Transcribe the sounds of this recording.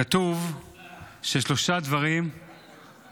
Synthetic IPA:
at̪uv | ʃeʃlo̞ʃad̪vaʁim

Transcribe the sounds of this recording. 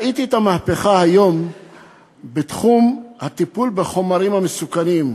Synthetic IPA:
it̪iet̪amaːpe̞χahajo̞m | bet̪χumhat̪ipulbe̞χo̞maɾimhamesukanim

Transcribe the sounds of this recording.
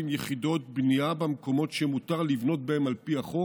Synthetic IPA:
imjeχido̞t̪̚bniabamko̞mo̞tʃemut̪aʁlivno̞t̪̚bahemalpiaχo

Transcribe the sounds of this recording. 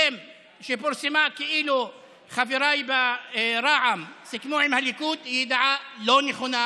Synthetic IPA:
em | ʃepoɾsemakeʔilu | χaviɾajbeɾaʕamsikmuʕimhalikut̪hiid̪ʕaloneχona

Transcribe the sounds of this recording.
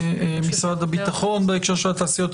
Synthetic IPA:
misʁad̪habit̪aχo̞nbeekʃeʁʃelat̪aːsijo̞t̪

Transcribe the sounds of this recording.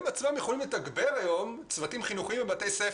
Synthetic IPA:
mat͡smamjeχolimletaɡbeʁajo̞m | t͡svatimχinuχiimvemat̪ejse

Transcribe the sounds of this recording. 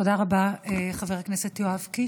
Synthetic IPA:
odaʁabaeχaveʁaknesetjoavki

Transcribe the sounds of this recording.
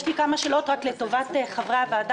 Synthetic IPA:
ʃlikamaʃelo̞tʁakleto̞vateχavʁaveaːd

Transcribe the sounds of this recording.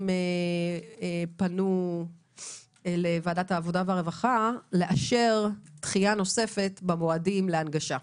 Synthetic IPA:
me | epanu | elevaːdathaːvo̞daveaʁevaχale̞ʔaʃe̞ʁtχiano̞se̞fe̞tbamoadimleanɡaʃa

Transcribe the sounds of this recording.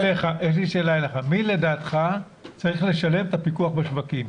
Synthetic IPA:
leχaʔeʃ̬liʃe̞ːlaeleχamile̞daːt̪χa | t͡saʁiχle̞ʃale̞met̪apikuaχbeʃvakim

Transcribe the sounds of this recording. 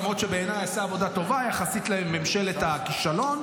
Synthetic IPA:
mʁot̪ʃebeenajasaːvo̞d̪at̪o̞vajaχasit̪laemːemʃe̞let̪akiʃalo̞n

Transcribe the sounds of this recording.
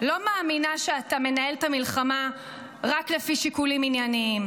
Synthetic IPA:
lo̞maːminaʃeatame̞nae̞ltamilχama | ʁaklefiʃikuliminjaniim

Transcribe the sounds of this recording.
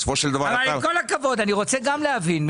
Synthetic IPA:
sfoʃeld̪ɐvaavvalko̞lhakavo̞d̪aniʁo̞t͡seɡamleavinm

